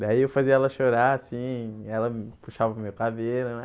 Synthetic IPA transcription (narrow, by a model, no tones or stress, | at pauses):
d̪aiewfaziɐɛlɐʃoɾaasĩɛlɐpuʃavɐmewkadeɾʊnɛ